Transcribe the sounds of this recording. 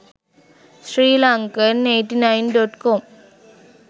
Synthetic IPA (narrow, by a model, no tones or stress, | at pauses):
sɾiːlaŋkɐneɪʈːinaɪnɖoʈkoːm